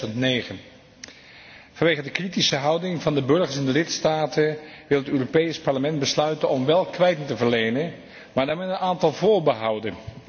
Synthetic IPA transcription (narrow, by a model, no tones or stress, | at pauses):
əntnejχən | v̥ɑnʋejχəndəkritisəɦɑwdɪŋvɑndəbɵɹχəɹs̬ɛndəlɪtstaːtəʋɪlˠətøːropejspɑɹləmɛnd̚bəslœɥtənɔmʋɛlˠkʋɛjtɪŋtəvəɹlejnən | maːɹdaːɹmɛnənaːntɑlˠvʊːɹbəɦɑwdən